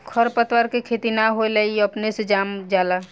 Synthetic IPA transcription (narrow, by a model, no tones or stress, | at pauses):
kʰəɾpət̪əɾkekʰet̪inaɦoelaiəpnesed͡ʒaːmd͡ʒaːla